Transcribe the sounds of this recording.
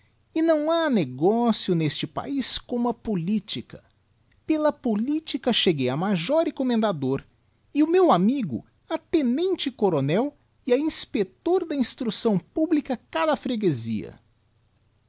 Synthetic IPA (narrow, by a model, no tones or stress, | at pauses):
ɪnɐ̃w̃aneɡɔsjʊnest͡ʃɪpa̰iskõmʊɐpolit͡ʃikɐ̥ | pelɐpolit͡ʃikɐʃeɡejɐmaʒɔɾhekomẽnd̪ad̪oɾ | ɪʊmewamiɡʊ̰ | ɐt̪ẽnẽnt͡ʃɪkoɾonɛw | ɪɐĩspet̪oɾd̪ɐĩst̪ɾusɐ̃w̃publikɐkad̪ɐfɾeɡezḭɐ̰